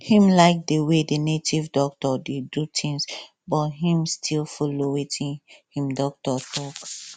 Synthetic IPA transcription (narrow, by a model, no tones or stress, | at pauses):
hĩmlaɪk̚dewedenetʰivdɔk̚tɔdedutʰĩŋs | bɔtɦĩmstʰilfolowetʰĩnhĩmdɔk̚tɔtʰɔk